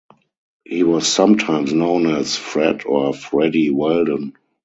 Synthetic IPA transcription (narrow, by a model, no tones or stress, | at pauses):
hiːwɔsːãmtʰãɪ̃msnõʊ̃nɛsfɹɛtʰɔfɹɛdiwɛldə̃n